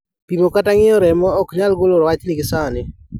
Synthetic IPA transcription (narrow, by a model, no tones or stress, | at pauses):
pimokataŋɪɔɾɛmɔːkɲalɡoloɾɔwat͡ʃlɪɡɪsanɪ